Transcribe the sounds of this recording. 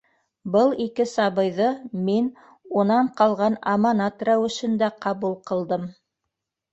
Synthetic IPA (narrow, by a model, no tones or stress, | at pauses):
bɤlˠikɘsɑβɤ̆jðɤmin | unɑɴqɑlˠʁɑnɑmɑnɑt̪ræwɘ̆ʃɘ̆nd̪æqɑβulˠqɤ̆lˠd̪ɤm